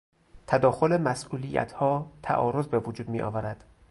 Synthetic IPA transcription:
t̪ʰæd̪ɒːxo̞lemæsʔuːlijæ̰t̪ʰhɒːt̪ʰæ̰ʔɒːɾo̞zbevod͡ʒuːd̪̚miːʔɒ̰ːvæɾæd̪̥

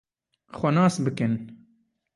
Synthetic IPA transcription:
xʷɛnɑːsbɨkɨn

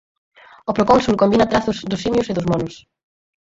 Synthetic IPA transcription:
opɾokonsulkombinat̪ɾaθʊzðʊsimjʊseðʊzmɔnʊs

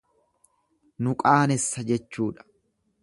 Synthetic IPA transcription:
nʊkʼaːnɛsːɐd͡ʒɛt͡ʃːuːᶑɐ̥

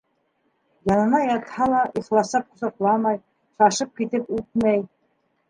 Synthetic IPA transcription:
jɑnɤ̆nɑjɑt̪hɑlˠɑʔiχlˠɑsɑp̚qŏsɑqlˠɑmɑj | ʃɑʃɤp̚kit̪ɘpʉt̪̚mæj

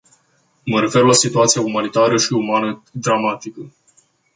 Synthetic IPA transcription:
məɾe̞fe̞rlasit̪uat̪sijaumanit̪aɾəʃiumanəd̪ɾamat̪ikə

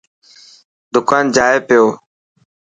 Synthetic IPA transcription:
d̪ʊkaːnd͡ʒaːepɪjoː

